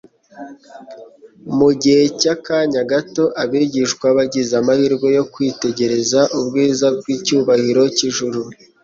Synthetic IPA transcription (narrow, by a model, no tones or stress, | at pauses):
muɟihecakaɲaɡato̞ʔaβiɟiʃkwaβaɟizamahiɾɡo̞jo̞kwiːte̞ɟe̞ɾe̞zaʔubɡiːzab̚ɡwiːcuːβahiɾo̞ciʒuɾu